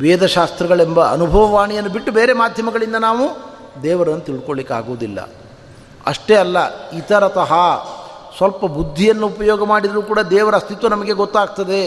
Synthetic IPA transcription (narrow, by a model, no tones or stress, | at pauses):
ʋeːd̪ɐʃaːst̪ɾɐɡɐɭembɐɐ̰nubʱɐʋɐʋaːɳijɐnːubiʈːubeːɾe̞maːd̪ʱjɐmɐɡɐɭind̪ɐnaːʋu | d̪ɛːʋɐɾɐnːut̪iɭɖukoɭlikːea̰ːɡoːd̪ilːɐ̰ | ɐ̰ʂʈeɐlːɐit̪ɐɾɐt̪ɐɦɐ | sʋɐlpɐbud̪ʱːijɐnːuupɐjɔːɡɐmaːɽid̪ɐɾuːkuːɽɐd̪ɛːʋɐɾɐst̪ʰit̪ʋɐnɐmɐɡe̞ɡot̪ːaːɡ̚t̪ɐd̪e̞